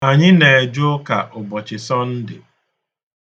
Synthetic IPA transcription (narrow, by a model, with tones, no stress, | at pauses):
a˨ɲɪ˦ne˨e˨d͡ʒʊ˦ka˨ʔʊ˨bɔ˨t͡ʃɪ˨sɔ˦n̩˦dɪ̰˨